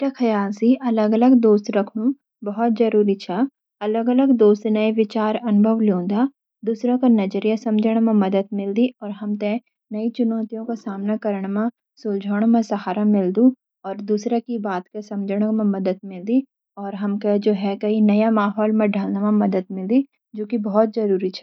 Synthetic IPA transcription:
ʈakʰɐjaːlsiʔɐləɡələɡd̪oːst̪ɾɐkʰnũ | bɐɦɔt̪̚zɐɾuːɾit͡ʃʰaː | ɐləɡələɡd̪oːst̪nɐeʋɪt͡ʃaːɾɐnʊbʱəʋljõːd̪a | d̪uːsɾãkanɐd͡ʒəɾjasɐ̃md͡ʒʱəɽ̃mẽmɐd̪əd̪mɪld̪iɔːɾɦɐmt̪ẽ | nɐit͡ʃʊnɔːt̪ijõkasaːmnakɐɾəɽ̃mẽ | sʊld͡ʒʱoːɽ̃mẽsɐɦaːɾamɪld̪ũ | ɔːɾd̪uːsɾakibaːt̪kesɐ̃md͡ʒəɽ̃mẽmɐd̪əd̪̚mɪld̪i | ɔːɾɦɐmked͡ʒoːɦɛkɐɦinɐjamaːɦɔːlmẽɖʱalnamãmɐd̪əd̪̚mɪld̪i | d͡ʒoːkibɔɦɔt̪̚zɐɾuːɾit͡ʃʰɛ̥ː

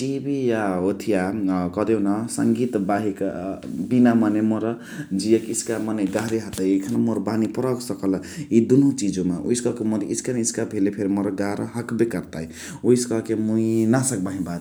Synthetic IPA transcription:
ʈibijaot̪ʰijakʌd̪enʌsʌ̰ŋɡit̪baɦikbinamʌnemoɾʌ | d͡zijekiskamʌneɡaɾiɦat̪ajekʰanamoɾbanipɾʌksʌkʌlʌ | id̪unɦõt͡sid͡ʒomaʔṵjskʌkemʌd̪iʔiskaniiskabʱelepʰeɾimʌɾʌɡaɾʌɦʌkbekaɾt̪aj | ujskʌkemuinasʌk̚baɦĩbat̪

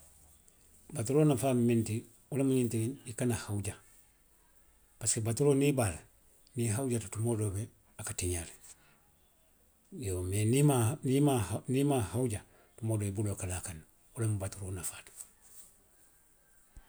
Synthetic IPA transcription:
batuɾoːnafamenti | ulamuɲintilinikanahauɟa | paskebatuɾonibal | niɦauɟatutumoːdobe | akatiɲale | jomenimanimahnimahauɟa | tumoːdoibulokalakan | ulemubatuɾoːnafaːt

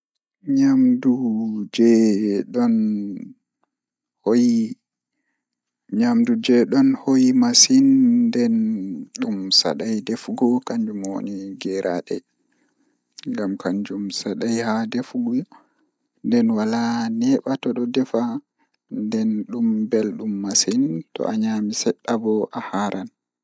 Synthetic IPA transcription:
ɲamdud͡ʒɛɗɔn | hoji | ɲamdud͡ʒɛɗɔnhojimasindɛnɗumsa̰ɗajdefɡɔkaɲd͡ʒumwo̰niɡɛɾʔaɗɛ | ŋɡamkaɲd͡ʒumsaɗajhadefɡɔ | ndɛnwalanɛɓatɔɗɔdɛfa | ndɛnɗumbɛlɗumːasintɔ̰ʔaɲamisɛɗːabɔʔahaɾʔan

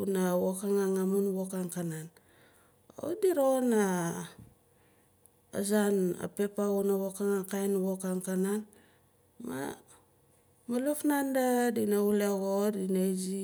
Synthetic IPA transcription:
unawokaŋaŋamunβokaŋkanan | o̰diɾona | a̰zana̰pe̞paunaβokaŋaŋkajnβokaŋkanan | ma̰ | malofnandadinauleɣodinazi

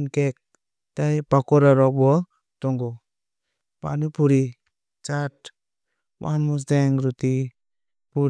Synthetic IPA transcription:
nkek̚ | tajpakoɾaɾɔbuɔ | tɔŋɡo | pa̰nipuɾi | t͡ʃat | wʔa̰nmus̬dɛŋɾuti | pu

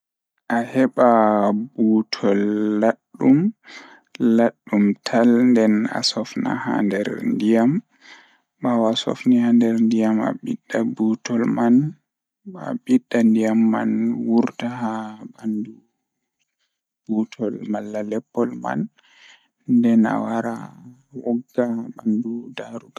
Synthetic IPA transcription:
ʔahɛɓabutʰɔlːaɗːum | laɗːumtʰalndɛna̰sɔfna̰ha̰ndɛɾndijam | ɓawasɔ̰fnihandɛɾndijama̰ɓiɗːabutʰɔlman | aɓiɗːandijamːa̰nwuɾtaɦabandu | b̥utʰɔlmalːalɛpːɔlma̰n | ndɛna̰waɾa | wɔɡːaɓandudaɾuɡa

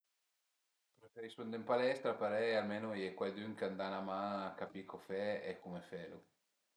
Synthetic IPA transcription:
pɾefɛrispond̪eimpalɛst̪ɾapaɾɛjalmeːnojɛkwald̪yŋkand̪anamaːkapikʰofɛɛkːumefɛːlo

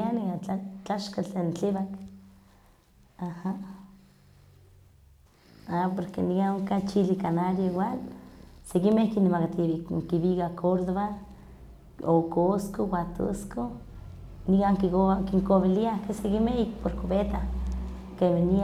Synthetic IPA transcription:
aniaat͡ɬaʃkat͡ɬent͡ɬiβak | aha | apoɾkḛnikaoŋkat͡ʃilikanaɾjoiwalsekimehkinemakat̪iŋkiβikakʰoɾðoβa | okoskowat̪o̰sko | nikaŋkokiŋkoβiliakesekimehik̚poɾkoβet̪a | kemeni

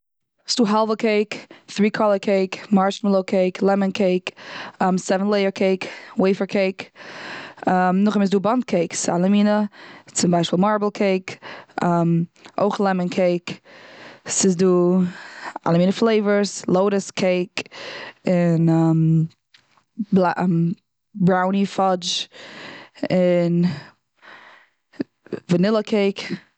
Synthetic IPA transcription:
sd̥uːɦɛlˠvəkʰeɪkθɾiːkʰɔlˠəkʰeɪkmaɹʃməlˠoʊkʰeɪkʰlˠɛmənkʰeɪkːmsɛvntlˠeɪəɹkʰeɪkweɪfəkʰeɪk | amnʊχɪmɪs̬duːbant̚kʰeɪksalˠəmiːnət͡sɪmbaɪʃpiːlˠmaɹblˠkʰeɪkamo̰ɪχlˠɛmənkʰeɪk | sɪzduː | a̰lˠəmiːnəflˠeɪvəɾslˠoʊɾəskʰeɪk | ɪnɛm | bla | bɾaʊnifɔd͡ʒ | ɪn | vənɪlˠəkʰeɪk

